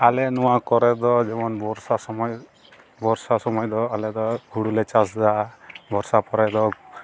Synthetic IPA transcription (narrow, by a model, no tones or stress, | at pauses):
alenuwakɔɾɛd̪ɔd͡ʒemɔnbɔɾsasɔmɔj | bʱɔɾsasɔmɔjd̪ɔalɛd̪ɔɡʱuɽulet͡ʃasdabʱɔɾsapɔɾad̪ɔ